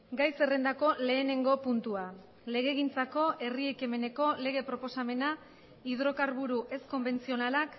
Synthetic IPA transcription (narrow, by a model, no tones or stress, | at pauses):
ɡajse̞re̞nd̪ako̞le̞ːne̞ŋɡo̞punt̪ua | le̞ɣ̞e̞ɣ̞int͡sako̞ʔe̞rieke̞me̞ne̞ko̞le̞ɣ̞e̞pɾo̞po̞same̞na | iðɾo̞kaɾβuɾuʔe̞sko̞mbe̞nt͡sio̞nalak